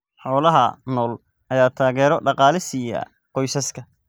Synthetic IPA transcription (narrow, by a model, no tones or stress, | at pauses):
ħɔːlɐɦɐnɔːl | ʔɐjaːt̪ʰaːɣɛːɾɔɖɑqɑːlɪsija̰ | qɔjsɐskʰɐ